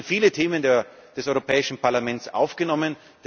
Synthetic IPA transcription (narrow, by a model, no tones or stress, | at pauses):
nfiːlətʰeːmən | d̥ɛsʔɔʏʁopʰɛːɪʃn̩pʰaɐlamɛnsʔa̰ʊfɡ̥ənɔmən | d̥